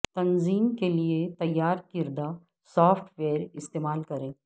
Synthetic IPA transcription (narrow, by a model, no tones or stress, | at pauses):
t̪ɐnziːmkeliet̪ɐjːaːɾkɪɾd̪a | sɔːfʰʈʰʋeːɾɪst̪eːmaːlkɐɾẽː